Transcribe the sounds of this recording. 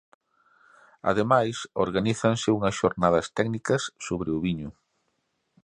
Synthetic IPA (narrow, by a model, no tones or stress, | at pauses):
a̰ðemajsoɾɣaniθɐnsɪuŋɐsʃoɾnaðɐst̪ɛɡnikɐsːoβɾeuβiɲʊ